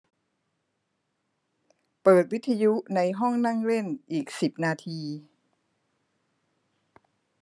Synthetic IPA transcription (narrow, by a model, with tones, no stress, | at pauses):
pɤː˨˩t̪̚wi˦˥t̪ʰːa˧ju˦˥na˧jɦɔ˥˩ŋna˥˩ŋle˥˩nʔiː˨˩k̚si˨˩p̚naː˧t̪ʰiː˧